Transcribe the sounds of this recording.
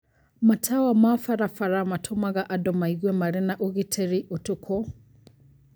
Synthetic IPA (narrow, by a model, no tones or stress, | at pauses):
matʰawamafaɾafaɾamatʰɔmaɣaʔadɔmaiɡwɛmaɾɛnaʔuɣitʰɛɾiʔɔtukʰɔ